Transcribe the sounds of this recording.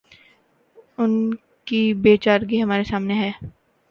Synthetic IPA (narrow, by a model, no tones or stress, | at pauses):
ʊn | kibeːt͡ʃaːɾɡiɦɐmaːɾesaːmneɦɛː